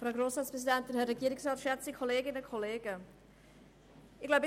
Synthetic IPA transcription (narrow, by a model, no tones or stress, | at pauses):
fɾaʊɡɾoːsɾɑːtspɾʁɛs̬idɛnt̚dəhɛːɛɡiːəɾɪksɾɑːtʃɛt͡sikʰoleːɡɪnəkʰoleːɡ̥ə | ɪɡlaʊb